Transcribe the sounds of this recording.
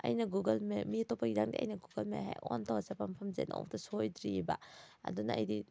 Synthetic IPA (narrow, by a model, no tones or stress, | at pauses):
ɐ̰jnɐɡuɡɐlmemitopʰaɡidaŋdiʔɐ̰jnɐɡuɡɐlmḛɦa̰jontʰawɐsapampʰɐmzḛnɔ̰wtʰɐsojdɾiba̰ɐ̰dunɐ̰ɐ̰jdi